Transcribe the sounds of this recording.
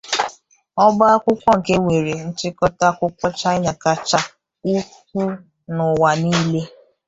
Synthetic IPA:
ɔ˦bʊ˦a˦kʷʊ˦kʷɔ˦ŋ̩˨ke˦ŋʷe˨ɾe˨n̩˦t͡ʃɪ˦kɔ˦ta˦kʷʊ˦kʷɔ˦t͡ʃa˦ɲa˨ka˦t͡ʃa˦ | u˦ | kʷu˦ | nʊ˨wa˨niː˦le˦

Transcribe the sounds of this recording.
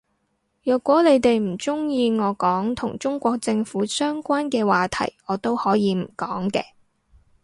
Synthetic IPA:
jœː˨kʷːɔː˨˥le˨˧jt̪e˨jm̩˨˩t͡sʊ˥ŋjiː˧ŋɔː˨˧kɔː˨˥ŋt̪ʰʊ˨˩ŋt͡ʃʊ˥ŋkʷɔː˧k̚t͡sɪ˧ŋfuː˨˥sœː˥ŋkʷaː˥nkɛː˧waː˨t̪ʰɐ̰˨˩jɔː˨˧t̪o˥whɔː˨˥jiː˨˧m̩˨˩kɔː˨˥ŋkɛ̰ː˧

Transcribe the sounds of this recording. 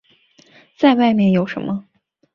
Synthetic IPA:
t͡sa˥˧ɪwa˥˧ɪmjɛ˥˩njo˨˧˥ʊʂə̰˧˥nmə˧

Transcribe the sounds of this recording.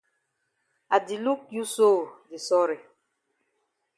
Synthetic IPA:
a˨di˨lu˦k̚ju˦so˦˨di˨sɔ˦ɾe˨

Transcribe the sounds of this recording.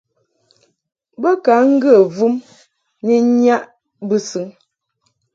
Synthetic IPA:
bə˦ka˨˦ŋ̩˦ɡə˦˨vu˦m | ni˦ɲa˦ʔ | bɨ˦sɯ˨˦ŋ

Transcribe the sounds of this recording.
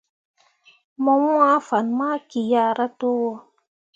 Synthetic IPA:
mɔ˧mwa˦fa˨nma˦ki˨ja˧˦ɾa˦to˦wɔ˦

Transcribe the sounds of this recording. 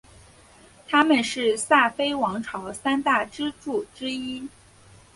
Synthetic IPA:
t̪ʰa˥mə˨nʂɻ̩˥˧sa˥˩fe˥ɪwɑ˧˥ŋʈ͡ʂʰɑ˧˥ʊsa˥nt̪a˥˩ʈ͡ʂɻ̩˥ʈ͡ʂu˥˩ʈ͡ʂɻ̩˥i˥

